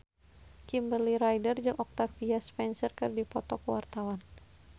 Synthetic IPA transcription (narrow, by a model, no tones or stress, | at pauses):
kimbəliɾajdərd͡ʒuŋʔɔk̚t̪afiaspɛnsərkɨrdipɔt̪ɔkəwart̪awan